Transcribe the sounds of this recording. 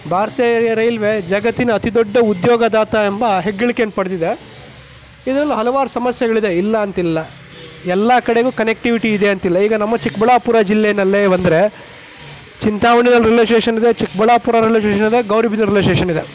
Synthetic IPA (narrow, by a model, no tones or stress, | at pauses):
bʱaːɾɐt̪iːɐɐɾɐjlʋed͡ʒɐɡɐt̪ːinɐːt̪id̪ɔɖːɐud̪jɔːɡɐd̪aːt̪aembɐɦeɡːɐɭikenpɐɽd̪id̪e̞ | id̪ɐɾɐlːiɦɐlɐʋaːɾusɐmɐsjɛɡɐɭid̪eilːɐːnt̪ilːɐ | ɛlːɐkɐɽeɡuːkɐnek̚ʈiʋiʈiːd̪e̞ɐnt̪ilːɐiːɡɐnɐmːɐt͡ʃikbɐɭaːpuɾaːd͡ʒilːenɐlːeːbɐnd̪ɐɾe̞ | t͡ʃint̪aːʋɐɳinɐlːɾileːʂʈeːʂɐnid̪e̞t͡ʃikbɐɭaːpuɾaːɾileʂʈeːʃɐnid̪e̞ɡɐwɾiːbʱinɐɾileʂeːʂɐnid̪e̞